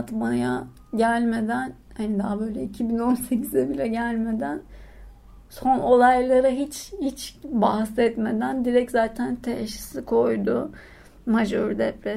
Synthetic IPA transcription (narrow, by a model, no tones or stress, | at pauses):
t̪maja | ɟælʲme̞d̪æn | hanid̪abø̞ːjlʲɛicʰibino̞nse̞cʰizɛbilʲɛɟælʲme̞d̪æn | so̞no̞lˠajlˠaɾaɦit͡ʃhit͡ʃbahsɛt̪me̞d̪ænd̪iɾɛczaːt̪ʰænt̪ʰɛʃi̥sikʰo̞jd̪ʊ | maʒoɾd̪ɛpɾɛ